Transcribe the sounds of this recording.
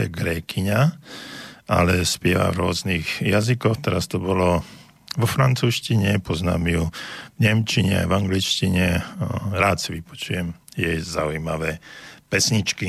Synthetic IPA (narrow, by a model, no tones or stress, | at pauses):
ɛɡɾɛːkʰiɲa | a̰lɛspjɛʋa̰vɾʊɔzniɣjazikɔxt̪ɛɾast̪ɔbɔlɔ | ʋɔfɾant͡suːʃciɲɛpɔzna̰ːmiuvɲɛmt͡ʃiɲɛ̰a̰jvaŋɡlit͡ʃciɲɛɾaːt̪siʋipɔ̥t͡ʃujɛmjɛjzaujmaʋɛːpɛsɲit͡ʃki